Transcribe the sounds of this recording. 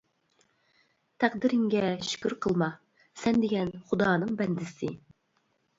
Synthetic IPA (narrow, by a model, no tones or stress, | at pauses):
t̪ʰæq̚d̪ɪɾɪŋɡʲɛʃy̥kʲyɾqʰəlˠmɑ | sɛnd̪eɡʲɛnχud̪ɑːnɨŋbɛnd̪ɪsɪ